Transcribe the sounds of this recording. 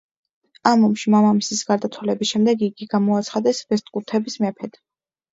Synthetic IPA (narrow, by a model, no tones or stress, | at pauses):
amɔmʃimamamisisɡaɾd̪at̪ʰwalɛbisʃɛmd̪ɛɡiɡiɡamɔat̪sʰχad̪ɛsvɛst̪ʼkʼuɾt̪ʰɛbismɛpʰɛd̪̥